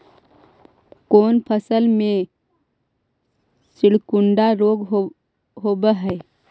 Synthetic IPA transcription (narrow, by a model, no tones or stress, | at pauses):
koːnpʰəsəlmẽ | sɪɽkʊɳɖaɾoːɡ | ɦoːbəɦɛː